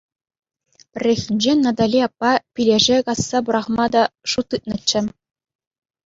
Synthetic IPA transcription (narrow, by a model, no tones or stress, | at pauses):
pʲɘ̆rʲːexʲinʲd͡ʑenɑd̪ɑlʲiɑpːɑpʲilʲeʐekɑsːɑbuɾɑχmɑd̪ɑʂut̪ːɯt̪̚nɤ̆t͡ɕːɘ̆